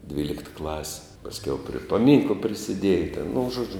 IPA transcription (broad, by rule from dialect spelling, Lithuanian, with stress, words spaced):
ˈdʲʋʲiːlʲɪkt klˠɐsʲɪ pɐsʲˈkʲɛʊ pʲrʲiɛ pɐˈmʲiːŋklˠɐ pʲrʲɪsʲɪˈdʲiɛjɛ tʲɛn nʊ ˈʒuɔd͡ʒʲʊ